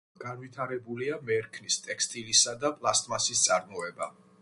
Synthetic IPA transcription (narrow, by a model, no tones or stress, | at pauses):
ɡ̥anvit̪ʰaɾɛbuliamɛɾkʰnist̪ʼɛkst̪ʼilisad̪apʼlˠast̪ʼmasist̪sʼaɾmɔɛba